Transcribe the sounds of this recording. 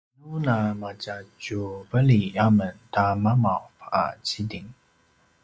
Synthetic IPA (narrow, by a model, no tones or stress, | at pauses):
nunamad͡ʒad͡ʒuvəlijaməntamamafa̰t͡sidiŋ